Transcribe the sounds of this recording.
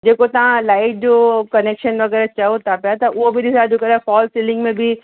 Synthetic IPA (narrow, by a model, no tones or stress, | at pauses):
d͡ʒeːkot̪ɐɦãlaːɪʈ̚d͡ʒoːkɐneːkʃənʋɐɣɛːɾat͡ʃɐot̪apjat̪aʔʊobʱidɪsad͡ʒoːkɐɾafɔːlsɪlɪ̃ŋɡmẽbʱi